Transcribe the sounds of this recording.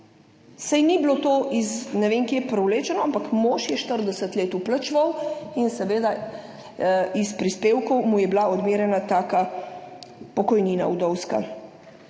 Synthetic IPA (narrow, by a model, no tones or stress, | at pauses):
sajniblot̪oːʔiznɛʋeːŋkjepɾɛwleːt͡ʃɛnɔampakmoːʃjɛʃt̪əɾd̪ɛsət̪leːt̪uplət͡ʃʋəwinsɛʋeːd̪a | ispɾispeːwkɔwmujɛblaɔd̪meːɾjɛnat̪aːka | pɔkɔjniːna̰ud̪ɔwska̰